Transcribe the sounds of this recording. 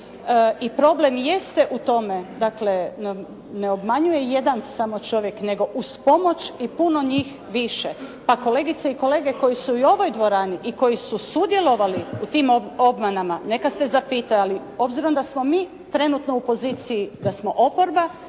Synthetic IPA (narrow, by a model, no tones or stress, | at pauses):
ipɾo̞ble̞mjest̪eʔut̪o̞me̞d̪akle̞n | neo̞bmaɲuje̞je̞d̪ansamo̞t͡ʃo̞ʋje̞kne̞ɡo̞ʔuspo̞mo̞t͡ʃipuno̞ɲiːx | ʋiʃepako̞le̞ɡit̪seiko̞le̞ːɡe̞ko̞jisuio̞ʋo̞jd̪ʋo̞ɾaːniʔiko̞jisusud̪je̞lˠo̞ʋaliut̪iːmoo̞bmanamane̞kase̞zapiːt̪ajali | o̞bziɾo̞md̪asmo̞miː | t̪ɾe̞nut̪noupo̞ziːt̪sijid̪asmo̞ʔo̞po̞ɾba